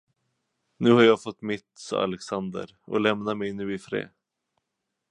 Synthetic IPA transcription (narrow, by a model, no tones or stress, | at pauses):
nʉ̟ːhaɾjɑːɡfɔt̪ːmɪt̪ːsɔ̰a̰lɛksand̪ə̰ɾ | ʔɔ̰lɛmnamɛjnʉ̟ːɪfɾḛː